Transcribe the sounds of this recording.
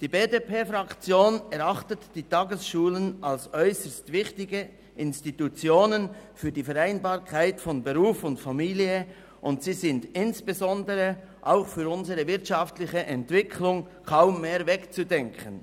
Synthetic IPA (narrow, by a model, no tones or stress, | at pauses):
d̥iːbeːdeːpʰeːfʁakt͡sjoːnɛʁaχtətd̥iːtɑːɡəsʃuːlənalsʔɔʏsəstvɪçtɪɡə | ʔɪnstitut͡sjoːnənfyːɐdiːfɛʁaɪnbaːʁkʰaɪtfɔnbəʁuːfʊntfamiːliə | ʔʊntsiːzɪndɪnsb̥ezɔndəʁə | ʔaʊxfyːɾʊnzəʁəvɪɐtʃaftlɪçəʔɛntv̥ɪkʰlʊŋ | kʰaʊmːeːɾvɛkt͡sudɛŋkʰən